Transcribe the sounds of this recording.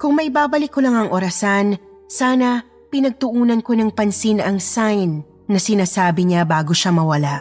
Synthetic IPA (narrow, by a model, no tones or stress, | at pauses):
kʊŋmɐʔjbaːbɐlɪkːolɐŋɐŋʔoɾɐsan | saːnɐ | pɪnɐɡ̚t̪ʊʔuːnɐnko̞nɐŋpɐnsinɐŋsajnː | ɐsɪnaːsaːbɪɲabaːɡo̞ʃamɐwɐlaʔ